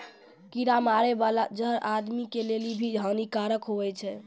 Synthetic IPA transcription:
kiɾamaɾebalad͡ʒəɾʔad̪mikelelibʱiɦənikaɾəkɦoβɛt͡ʃʰɛ

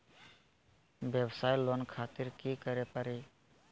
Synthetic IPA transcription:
bjəbsaːjlonkʰat̪iɾkikəɾepəɾe

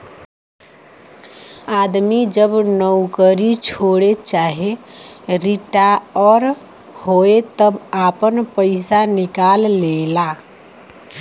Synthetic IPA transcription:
ad̪mid͡ʒəbnəwkəɾit͡ʃʰoɽet͡ʃaɦe | ɾiʈaɔːɾ | hoet̪əbapənpəɪsanɪkalːela

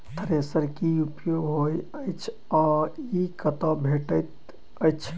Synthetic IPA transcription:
t̪ʰəɾesəɾkiupjoɡɦojəjt͡ʃʰ | ɔikət̪ə̃bʱeʈət̪ | əjt͡ʃʰ

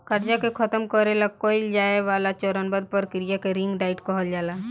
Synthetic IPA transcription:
kəɾd͡ʒakekʰət̪əmkəɾelakoild͡ʒaːeʋaːlat͡ʃɔɾənbəd̪̚pəɾkɾijakeɾɪ̃ŋɡɖaːɪʈkɔɦəld͡ʒaːla

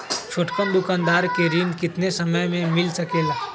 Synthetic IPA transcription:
t͡ʃʰoʈkənd̪ukand̪aɾkeɾind̪kit̪nesəməjmemilsəkel

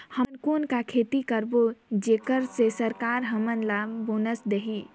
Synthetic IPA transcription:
hənkoːnkakʰeːt̪ikəɾbod͡ʒeːkəɾsesəɾkaːɾɦəmənlaboːnəsd̪eɦi

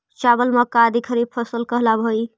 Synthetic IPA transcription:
t͡ʃabəlməkad̪ʱikʰəɾib̚pʰəsəlkəɦlabʱoi

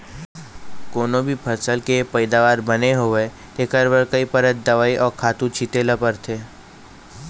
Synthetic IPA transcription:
koːnõbʱipʰɐɾsəlkeepəɪd̪aːʋaːɾbɐneɦoʋe | t̪eːkəɾbəɾkəipɐɾət̪̚d̪ɐʋaːiʔɔːɾkʰaːt̪ũt͡ʃʰit̪eːlapəɾt̪ʰeː

